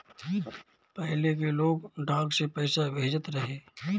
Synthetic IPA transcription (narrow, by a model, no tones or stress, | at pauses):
pɛɦlekeloːɡɖʱaːɡsepɛːɪsabʱeːd͡ʒət̪ɾəɦeː